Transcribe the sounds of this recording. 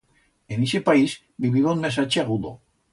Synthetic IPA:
enisepais | biβiðonmesat͡ʃeaɣud̪o

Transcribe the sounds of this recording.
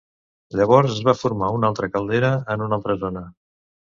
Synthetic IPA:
ʎəβ̞ɔɾzəzβafuɾmaunalˠt̪ɾəkəlˠd̪eɾəənunalˠt̪ɾəzonə

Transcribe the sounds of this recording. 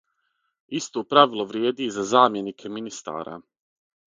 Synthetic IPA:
ist̪oːpɾaʋilˠo̞ʋɾjeːd̪izazaːmje̞nikʰe̞minist̪a̰ːɾa̰

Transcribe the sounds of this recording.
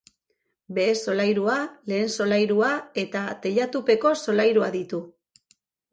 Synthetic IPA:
be̞ːso̞lajɾuale̞ːnso̞lajɾuae̞t̪at̪e̞ʎat̪upe̞ko̞so̞lajɾuaðit̪u

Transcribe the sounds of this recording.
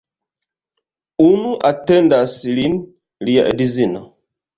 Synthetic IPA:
unuʔatɛndasilin | lija̰ʔḛdizina

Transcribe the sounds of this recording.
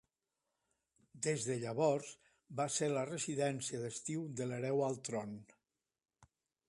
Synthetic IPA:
d̪ezðəʎəβɔɾz | baseɾlərəziðɛnsiəðəst̪iwd̪ələɾɛwalˠt̪ɾon

